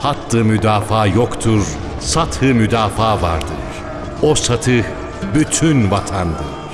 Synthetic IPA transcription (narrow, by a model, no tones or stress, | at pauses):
hat̪lˠɯmyd̪aːfaːjokt̪ʰuɾ | sat̪hɯmyd̪aːfaːva̰ɾd̪ɯ̰ɾ̥ | osat̪ʰɯh | byt̪ʰynvat̪ʰand̪ɯ̰̥